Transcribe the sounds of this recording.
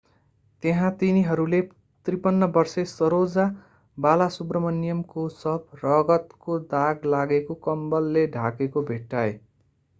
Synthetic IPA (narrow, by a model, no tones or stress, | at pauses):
t̪eɦãt̪iniɦʌɾule | t̪ripʌnːʌbʌrsesʌɾod͡za | balasubrʌmʌnːijʌmkosʌb̚ʰʱrʌɡʌt̪kod̪aɡlaɡekokʌmbʌlːeɖʱakekobʱeʈːae